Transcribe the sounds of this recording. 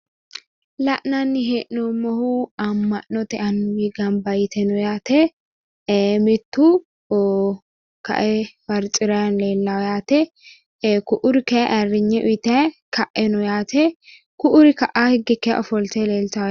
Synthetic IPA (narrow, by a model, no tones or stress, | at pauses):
lɐʔnɐnːɪɦeʔnɔmɔhuɐmːɐʔːɔt̪ɛʔɐnːʊwiɡɐmbɐjɪt̪ɛnɔjaːt̪ɛ | mɪt̪ːu | kɐ̰ʔɛbɐɾt͡ʃʼɪɾɐnleːlːɐwjaːt̪ɛ | kʊʔʊɾɪkɛʔɐrːɪɲːɛʔʊt̪ɛkʰɐʔːɛnɔjaːt̪ɛ | kʊʔʊɾɪkɐʔahɪɡɪkːɛ̰ʔɔfɔlt̪ɛleːlt̪ɐw